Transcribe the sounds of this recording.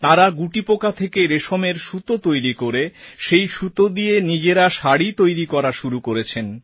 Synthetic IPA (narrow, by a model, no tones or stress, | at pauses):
t̪aɾaɡuʈipokat̪ʰekeɾeʃomeɾʃut̪ot̪ojɾikoɾeʃejʃut̪od̪ienid͡ʑeɾaʃaɽit̪ojɾikɔɾaʃuɾukoɾet͡ɕʰen